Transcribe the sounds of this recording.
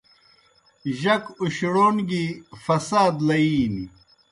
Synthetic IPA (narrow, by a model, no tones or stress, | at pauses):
ʑɐkuɕɽoːnɡifɐsaːd̪lɐiːni